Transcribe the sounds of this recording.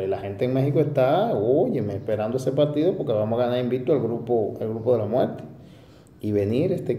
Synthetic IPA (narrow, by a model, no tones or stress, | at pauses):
elahent̪eːŋmexikoest̪aojemespeɾand̪oesepaɾt̪iðopoɾkeβamohaɣanaɾimbit̪ualɡɾupoalɡɾupoðelamwḛɾt̪e̥ | iβeniɾest̪e